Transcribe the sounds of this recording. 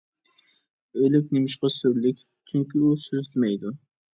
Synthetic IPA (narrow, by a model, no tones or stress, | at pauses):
ølɪkʲnemɪʃqɑsøɾlɪkʲ | t͡ʃʰyŋkʲiusøzt̪mɛjd̪u